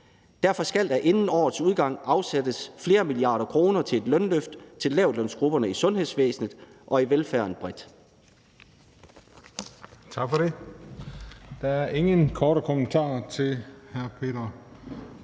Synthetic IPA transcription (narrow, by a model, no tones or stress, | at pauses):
d̥æɐfɒ̽sɡ̥æl̰d̥æʔe̝nn̩ɒ̰ːð̩ˠsuð̞ˠɡ̥ɑ̈ŋ̰ɑ̈ʊsæd̥əsfle̝ːɐmiliɑ̰̈ːɾ̥ɐkʰʁo̝ːnɐt͡sʰe̝e̝d̥lœnløfd̥t͡sʰe̝lːɛʊ̰dlœnsɡ̥ʁub̥ɐnəisɔ̽nɦesʋḛːsn̩ðˠʔɒ̽iʋelfæɐ̰n̩b̥ʁɛd̥ | t͡sʰɑ̈ɡ̥fɒɾe̝ | d̥ɑæɐe̝ŋənkʰɒːɾəkʰomənt͡sʰɑ̰̈ːt͡sʰe̝lhæɐpʰe̝̰ːdɐ